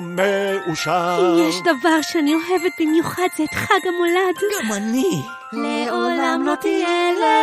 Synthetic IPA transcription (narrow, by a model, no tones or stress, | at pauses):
meuʃaijɛʃdavaʁʃeanioɦevet̚bimjuχad̪zeːt̪χaɡamo̞ladɡ̥amani | lleolamlot̪iele